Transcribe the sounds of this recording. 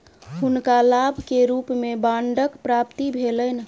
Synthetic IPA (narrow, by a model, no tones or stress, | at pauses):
hunkalabʱkeɾupmebaɳɖəkpɾapt̪ibʱelən